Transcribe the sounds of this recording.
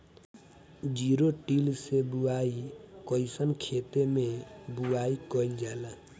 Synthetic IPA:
d͡ʒiɾoʈilsebuaikəisənkʰet̪emebuaikəind͡ʒala

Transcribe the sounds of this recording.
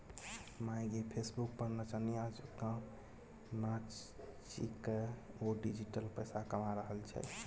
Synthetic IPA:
mãj̃ɡepʰesbuk̚pəɾnət͡ʃaniad͡ʒkə̃m | nat͡ʃ | t͡ʃḭkəoɖid͡ʒiʈəlpəjsakəmaɾəɦəlt͡ʃʰɛ̰

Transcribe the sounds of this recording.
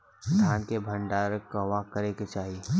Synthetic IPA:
ɡʱaːnkebʱə̃ɳɖaːɾkɐʋakəɾeket͡ʃaːɦie

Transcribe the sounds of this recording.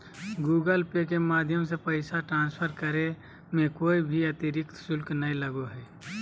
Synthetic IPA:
ɡuːɡəlpekemaːd̪ʱjəmsepəɪsaʈɾãːnspʰəɾkəɾe | mẽkoːibʱiət̪iɾɪkt̪sʊlknəiləɡoɦɛː

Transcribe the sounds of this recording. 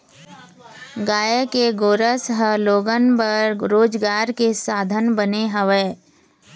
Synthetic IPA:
ɡaːjəkeɡoːɾəsəɦəloːɡənpəɾɾoːd͡ʒɡaːɾkesaːd̪ʱənbəneɦəʋeː

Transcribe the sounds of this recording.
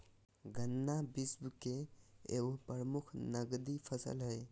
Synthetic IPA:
ɡʱənːabisbkeḛopəɾəmukʰnəɡd̪ipʰəsə̰lɦəj

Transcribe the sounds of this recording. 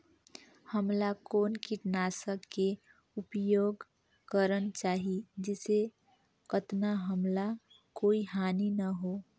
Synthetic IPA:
həmlakoːnkiʈnaːsəkːe | ʊpjoːɡ | kəɾənt͡ʃaːɦid͡ʒɪse | kət̪naɦəmla | koːiɦaːninəɦoː

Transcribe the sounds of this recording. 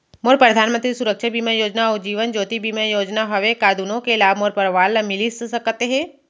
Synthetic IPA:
moːɾpɾəd̪ʱaːnmə̃nt̪ɾisuɾəkʃʰəbiːmajoːd͡ʒnaɔːɾd͡ʒiːʋənd͡ʒoːt̪ibiːmajoːd͡ʒnaɦɐʋekaːd̪unõkelaːbmoːɾpəɾʋaːləmɪlissəkt̪eɦɛ̃ː

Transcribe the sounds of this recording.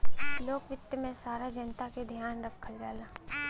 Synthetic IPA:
loːkʋɪt̪jəmẽsaːɾad͡ʒɐnt̪aked̪ʱjaːnɾɐpkʰɐɾd͡ʒaːlaː

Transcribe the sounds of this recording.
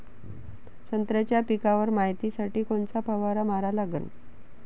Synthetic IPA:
sənt̪ɾat͡ɕjapikaʋəɾmaɦjt̪isaʈiːkoɳt͡sapəʋaɾamaɾalaɡə̰n

